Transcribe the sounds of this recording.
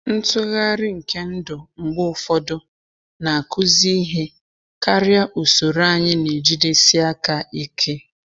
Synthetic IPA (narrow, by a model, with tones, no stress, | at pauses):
n̩˦tʊ˦ɣa˦ɾɪ˦ŋ̩˨ke˦n̩˦dʊ˨ŋ͡m̩˨ɡ͡bʊ˦ʊ˨fɔ˦dʊ˦ | na˨a˨kʊ˦zi˦i˦ɦe˦ | ka˦ɾja˦ʔu˨so˨ɾa˦˨ɲɪ˦ne˨d͡ʒi˦de˦si˦a˦ka˨i˦kʰe˦